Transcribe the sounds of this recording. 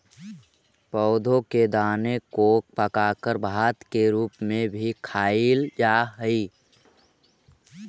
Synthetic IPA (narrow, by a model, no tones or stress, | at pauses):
pɔʊd̪ʱõked̪aːnekoːk̚pəkaːkəɾbʱaːt̪keɾuːpmẽbʱikʰaːɪild͡ʒaːɦəi